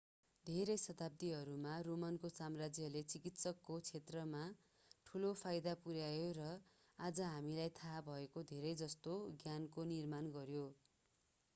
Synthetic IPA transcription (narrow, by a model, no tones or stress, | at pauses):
d̪ʱeɾʌjsʌt̪ab̚t̪iɦʌɾumaromʌnkosamrad͡zjʌlet͡sikit̪sʌkːot͡sʰet̪rʌma | ʈʰulopʰajd̪apuɾjajorʌ | ad͡zʌɦamilajt̪ʰabʱʌekod̪ʱeɾʌjd͡zʌst̪oɡjankonirmanɡʌɾjo